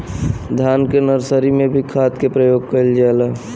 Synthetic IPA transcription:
d̪ʱaːnkenəɾsəɾimẽbʱikʰaːt̪kepɾəjoːɡ̚kəɪld͡ʒaelaː

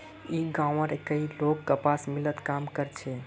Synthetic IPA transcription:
iɡãw̃ə̃ɾekəilokːəpasmilət̪kamkəɾt͡ʃʰɛ

